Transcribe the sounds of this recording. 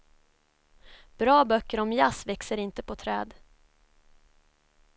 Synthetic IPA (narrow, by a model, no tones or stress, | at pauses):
b̥ɾɑːbœkːəɾɔmjasvɛksəɾɪnt̪əpʰɔt̪ʰɾɛːd̪